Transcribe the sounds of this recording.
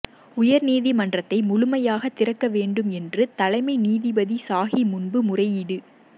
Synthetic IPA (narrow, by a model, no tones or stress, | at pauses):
ʊjɐɾniːðimɐndrɐt̪ːɐɪmʊɻʊmɐjaːɣɐt̪ːɪrɐkːɐʋeːɳɖɯmɛndrɯt̪ɐlɐɪmɐɪniːðibɐðisaːɣimʊnbɯmʊrɐjɪɽɯ